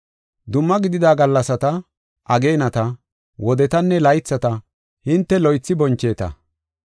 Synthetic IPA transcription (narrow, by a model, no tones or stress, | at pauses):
d̪ʊmːɐɡɪd̪ɪd̪aːɡɐlːɐsɐt̪ɐ | ʔɐɡeːnɐt̪ɐ | wɔd̪ɛt̪ɐnːɛlɐjt͡sːɐt̪ɐ | hɪnt̪ːɛlɔjt͡sːɪbɔnt͡ʃːe̞ːt̪ɐ̰